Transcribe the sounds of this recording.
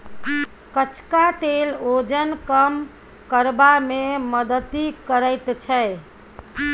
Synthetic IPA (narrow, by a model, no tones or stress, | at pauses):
kət͡ʃʰkat̪elod͡ʒənkəm | kəɾbameməd̪ət̪ikəɾəɪt̪t͡ʃʰəɪ